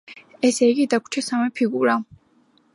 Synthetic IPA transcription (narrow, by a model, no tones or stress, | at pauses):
ɛsɛiɡid̪akʷʰt͡ʃʰɛsamɛpʰiɡuɾa